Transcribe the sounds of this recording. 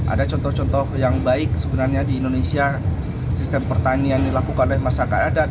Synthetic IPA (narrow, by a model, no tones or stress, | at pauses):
ʔa̰dat͡ʃɔnt̪ɔht͡ʃɔnt̪ɔhjaŋbaɪk̚səbənarɲadiːndonesia | sist̪əmpərt̪aniandilakukanolɛhmasakaada